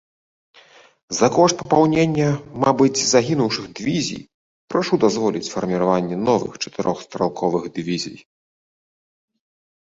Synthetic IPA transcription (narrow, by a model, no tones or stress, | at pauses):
zɐkɔʂt̪̚pɐpawnʲenʲːɛmabɨt͡sʲzaɣʲinuwʂɨɣd̪ɨvʲizʲḭj | pɾaʂud̪azvɔlʲit͡sʲfɐrmʲiɾavanʲːɛnɔvɨ̰xt͡ʂɐ̥t̪ɨɾʔɔxst̪ɾalˠkʰɔvɨɣd̪ɨvʲizʲḭj